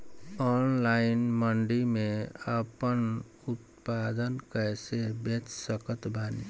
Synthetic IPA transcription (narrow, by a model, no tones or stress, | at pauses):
ɔːnlaːɪnməɳɖimẽəpən | ʊt̪paːd̪ənkɛːsebet͡ʃsəkət̪bani